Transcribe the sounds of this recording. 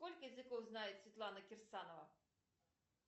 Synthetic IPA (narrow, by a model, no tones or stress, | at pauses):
kɔlʲkʲijɛzɨkɔwznajɛsʲvʲit̪lˠanɐkʲirsanɔvɐ